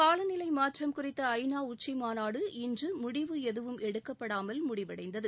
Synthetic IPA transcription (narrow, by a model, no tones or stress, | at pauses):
kaːlɐnɪlɐɪmaːʈrɐmkʊrɪt̪ːɐɐɪnaːʊʈt͡ʃːɐmaːnaːɽɯɪndrɯmʊɽɪʋɯɛðɯʋɯmɛɽɯkːɐpːɐɽaːmɐlmʊɽɪʋɐɽɐɪnd̪ɐðɯ